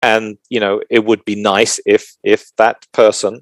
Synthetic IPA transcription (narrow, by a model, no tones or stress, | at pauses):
ɨ̃njɨnoʊɪt̚wəd̚binaɪsɪf | ɪfðət̚pʰɜ˞sə̃n